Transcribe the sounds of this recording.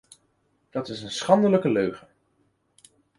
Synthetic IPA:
d̥ɑtɪsənsχɑndələkəløɥχə

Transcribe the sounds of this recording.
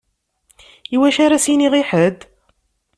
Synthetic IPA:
iwæʃæɾæsiniʁiħəd̪

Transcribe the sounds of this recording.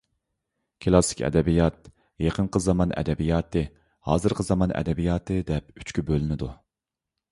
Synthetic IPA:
kʲʰɨlˠɑsɪ̥kʲɛ̰d̪ɛbijɑt̪̚ | jeqʰənqʰəzɑmɑnɛ̰d̪ɛbijɑːt̪ʰɨ | hɑ̰ːzɨɾqʰəzɑmɑnɛ̰d̪ɛbijɑːt̪ʰɨd̪ɛp̚y̥t͡ʃkʲybølɪnɪd̪u

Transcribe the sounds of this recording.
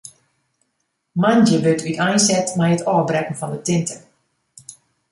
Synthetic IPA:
mandəbøtʰytʰɛjnsɛtmɛjətɔːbrɛkn̩fɔndətɪntʰə

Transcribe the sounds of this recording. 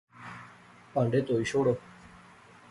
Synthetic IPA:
paɳɖet̪oiɕoɽo

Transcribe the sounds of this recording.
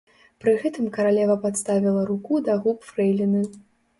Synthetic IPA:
pɾɨɣɛt̪ɨmkɐɾalʲɛvɐpat̪st̪avʲilˠɐɾukud̪aɣupfɾɛjlʲinɨ

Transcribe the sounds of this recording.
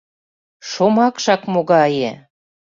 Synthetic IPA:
ʃomɑkʃɑkmoɣɑje

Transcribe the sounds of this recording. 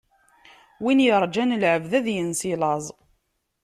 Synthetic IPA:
winjəɾˤd͡ʒænəlʕəvðæðjənsilɑzˤ

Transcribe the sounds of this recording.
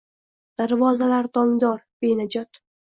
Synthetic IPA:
d̪̥aɾvɒzalaɾt̪ʰɒŋd̪ɒɾb̥ejnad͡ʒɒt̪

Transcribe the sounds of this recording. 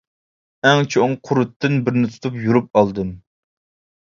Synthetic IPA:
ɛŋt͡ʃʰoŋqʰʊɾut̪ːɨnbɪɾnɪt̪ʰu̥t̪ʰupjuɾup̚ɑlˠd̪ɨm

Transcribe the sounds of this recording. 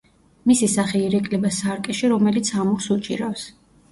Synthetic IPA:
misisaχiːɾɛkʼlɛbasaɾkʼɛʃiɾɔmɛlit̪sʰamɔχsut͡ʃʼiɾafs

